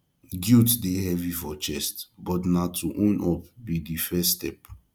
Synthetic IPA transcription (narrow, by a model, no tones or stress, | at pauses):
ɡjutdehɛvifɔt͡ʃɛstbɔtnatʰuʔɔ̃nʔɔp̚bidifɛstɛp